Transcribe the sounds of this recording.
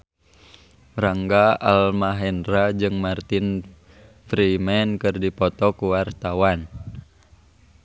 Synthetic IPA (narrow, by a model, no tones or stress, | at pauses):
raŋɡaalmaɦɛnɾad͡ʒɨŋmart̪in | fɾimɛnkɨrdipɔt̪ɔkuwart̪awan